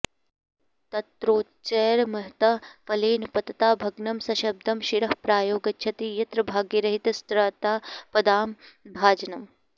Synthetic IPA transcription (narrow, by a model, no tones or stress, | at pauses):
t̪ɐt̪ɾoː | t͡ʃɐːɾmɐɦt̪ɐpɐleːnpɐt̪ɐt̪aːbʱɐɡnɐmsɐʃɐb̚d̪ɐmʃiɾɐɦpɾaːjoːɡɐt͡ʃʰɐt̪ijɐt̪ɾɐbʱaːɡiɾɐɦit̪ɐst̪ɾaːt̪aːpɐd̪aːmbʱaːd͡ʒɐnɐm